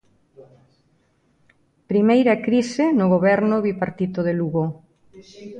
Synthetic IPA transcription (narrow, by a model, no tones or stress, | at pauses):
pɾimejɾɐkɾisenʊɣoβɛɾnʊβipaɾt̪it̪oðeluɣo